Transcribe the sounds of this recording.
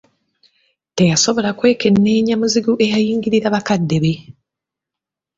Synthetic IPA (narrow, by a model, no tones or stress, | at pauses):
te̞jaso̞βo̞lakwe̞ːke̞nːe̞ːɲamuziɡuʔe̞jajiːŋɡiɾiɾaβakadːe̞βe